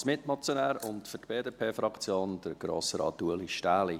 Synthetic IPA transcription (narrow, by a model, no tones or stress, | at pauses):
smɪtmɑt͡sjonæːɾʊntfʏtb̥eːdepʰeːfɾɑkt͡sjoːnd̥əɾɡ̥ɾo̰ːsəɾɑ̰ːtːuəliʃtæːli